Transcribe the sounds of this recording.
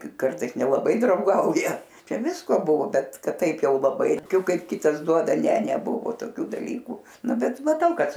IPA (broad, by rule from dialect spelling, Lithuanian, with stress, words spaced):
ˈkɐrtɐɪs nʲɛlˠɐˈbɐɪ drɐʊˈɡɐʊjɛ ˈt͡ʃʲɛ ˈʋʲɪskoː ˈbʊʋoː ˈbʲɛt ˈkɐt ˈtɐɪp ˈjɛʊ lˠɐˈbɐɪ toːˈkʲʊ ˈkɐt ˈkʲɪtɐs ˈduɔdɐ ˈnʲɛ nʲɛˈbʊʋoː toːˈkʲuː dɐˈlʲiːkuː ˈnʊ ˈbʲɛt mɐˈtɐʊ ˈkɐt